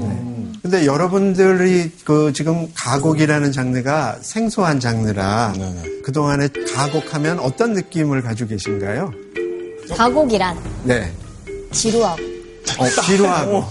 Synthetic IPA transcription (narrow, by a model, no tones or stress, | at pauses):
ne̞kɯnde̞jʌɾʌbundɯɾikɯt͡ɕiɡɯmkaɡoɡiɾanɯnt͡ɕaŋnɯɡasʰe̞ŋsʰoɦant͡ɕaŋnɯɾa | kɯdoŋane̞kaɡokʰamjʌnʌt͈ʌnːɯk͈imɯɭkad͡ʑuɡe̞ɕʰinɡajo | kaɡoɡiɾanne̞ | t͡ɕiɾoɦaɡo | ʌt͡ɕiɾoɦaɡo